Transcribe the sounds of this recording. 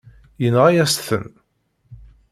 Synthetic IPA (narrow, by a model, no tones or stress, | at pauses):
jənʁæjæsθə̰n